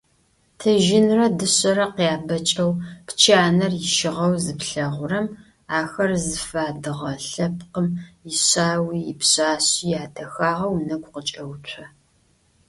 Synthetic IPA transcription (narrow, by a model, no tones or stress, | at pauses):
tʰɐʒɪnrɐdɨɕʼɐɾɐqiaːbɐt͡ʃʼɐwpt͡ʃʰaːnɐrjɪʃɪʁɐwzɨpɬɐʁʷʊɾɐm | aːxɐrzɨfaːdɨʁɐɬɐp̚ʰqəmjɪɕaːwiːpɕaːɕiːjaːtʰɐxaːʁɐwnɐɡʷqət͡ʃʼɐwtʷʰɐ